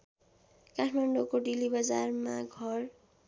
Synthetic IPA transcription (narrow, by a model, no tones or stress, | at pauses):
kaʈʰmaɳɖokoɖilibʌd͡zarmaɡʱʌr